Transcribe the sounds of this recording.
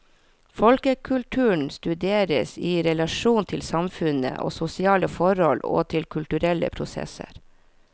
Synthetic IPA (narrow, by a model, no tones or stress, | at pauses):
fɔlkəkʰʉlʈ̪ʰʉːɳ̩st̪ʉd̪eːɾə̰siːɾɛlɑʃuːnt̪ʰɪlsɑmfʉnə̰ʔo̰ːsʊsɪɑːləfɔɾhɔlo̰ːt̪ʰɪlkʰʉlʈ̪ʉɾɛlə̰pʰɾʊsɛ̰sə̰ɾ